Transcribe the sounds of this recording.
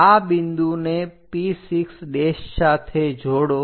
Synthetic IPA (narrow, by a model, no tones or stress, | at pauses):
abɪnd̪unepisiksɖeːʃsaːt̪ʰed͡ʒʱoːɽo